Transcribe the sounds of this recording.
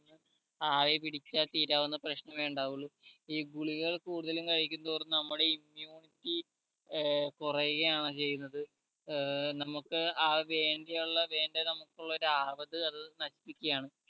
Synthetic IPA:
nːɨ | aːʋepiɽit͡ɕːat̪iːɾaːʋunːɐprɐɕnɐmʋe̞ːɳɖaːʋuɭːuiːɡuɭiɣɐɭkuːɽuðɐlumkɐɻikʲːunt̪oːrnːɨnɐmːuɽe̞imjuːɳitːi | kurɐjuɣɐjaːɳɐt͡ɕe̞jːunːɐðɨ | nɐmukːɨaːʋe̞ːɳɖejuɭːɐʋe̞ːɳɖenɐmukːuɭːɐoɾuaːʋɐðɨɐðɨnɐɕi̥pːikʲːɐjaːɳɨ

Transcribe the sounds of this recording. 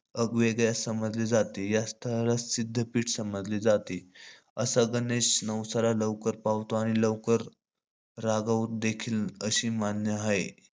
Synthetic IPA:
əɡʋeɡjasəməd͡zliːd͡zat̪ijast̪ʰəlat͡ssid̪ʱːəpiːʈʰsəməd͡zlid͡zat̪i | əsaɡəneɕnəwsaɾaləʋkəɾpaʋt̪oaɽ̃iləʋkəɾ | ɾaɡaʋut̪̚d̪ekʰiːləɕiːmanjəɦae

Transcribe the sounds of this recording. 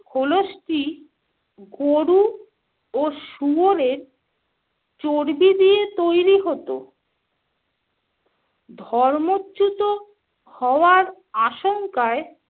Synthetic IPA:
kʰoloʃʈi | ɡoɾu | oʃuoɾeɾ | t͡ɕoɾbid̪ijet̪ojɾiɦot̪o | d̪ʱɔɾmoːt͡ɕːut̪o | hɔoaɾ | aʃoŋkae

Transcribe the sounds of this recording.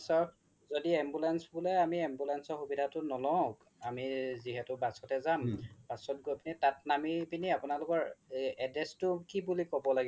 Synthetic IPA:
sɔɹ | zodiɛmbulansbulɔamiɛmbulansɔɹxubidʱatʊnɔlɔk | amiziɦɛtʊbasɔtɛzamb̥asɔt̚ɡojpinitatnamipiniapʊnalʊkɔɹɛdɹɛstʊkibulikɔbɔlaɡɛ

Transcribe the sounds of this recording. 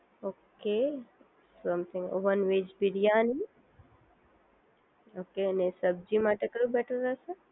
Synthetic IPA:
oːke | sɐ̃mt̪ʰɪ̃ŋo̰ʋənʋeːd͡ʒbiɽijaːni | oːkenesəb̚d͡ʒimaʈekɐɾubɛʈʰəɾːasə

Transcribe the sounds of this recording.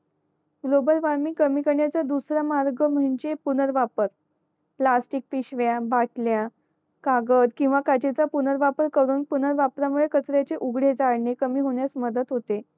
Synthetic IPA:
ɡlobəlʋaɾmiːkəmikəɳjat͡sad̪usɾamaɾɡəm̤ənd͡zepunəɾʋapəɾ | plasʈik̚fiɕʋjabaʈlja | kaɡəd̪kĩw̃ʋakad͡ʑet͡sapunəɾʋapəɾkəɾuːnpunəɾʋapɾamuɭekət͡sɾjat͡seʔuɡɽed͡zaɽɳekəmiːɦoɳ̃jat͡sməd̪ət̪ɦot̪e

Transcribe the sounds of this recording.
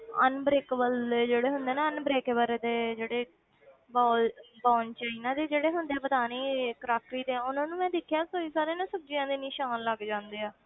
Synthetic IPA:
ə̰nbɾeːkəbəled͡ʒeːɽeːɦʊnd̪eːnaːənbɾeːkːbəɾed̪eːd͡ʒeːɽeː | baːlbãːnt͡ʃaːiːnãːd̪eːd͡ʒeːɽeːɦʊnd̪eːɛːbəd̪aːneːkɾaːk̚ʈɾiːd̪ẽːʊnãːnũːmɛ̃ːd̪ekʰːjaːsoːiːsaːɾeːnãːsəb̚d͡ʒiãːd̪eːniʃaːnləɡd͡ʒãːnd̪eːaː

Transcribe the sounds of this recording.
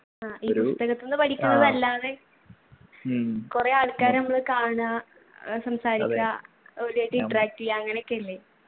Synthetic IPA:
aːiːpust̪ɐɣɐt̪ːonːɨpɐʈʰikʲːunːɐðɐlːaːðe̞ | kure̞aːɭkaːɾnɐmːɐɭɨkaːɳa | sɐmsaːɾikʲːɐ | olijaʈːɨiɳʈːɐraːk̚ʈːiijɐŋːɐneokːeɐlːeː

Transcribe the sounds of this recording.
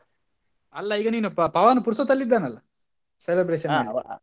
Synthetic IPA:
ɐlːɐiːɡɐniːnuppɐʋaːnːupuɾsot̪ɐlːid̪ːaːnɐlːɐ | selebɾeʃɐ

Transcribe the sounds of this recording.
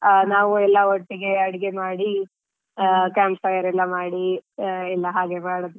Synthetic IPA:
naːʋuɛlːɐɦoʈːiɡe̞ɐɽiɡe̞maːɽi | kaːmpfɐjɐɾɛlːɐmaːɽiɛlːɐɦaːɡemaːɽɐd̪u

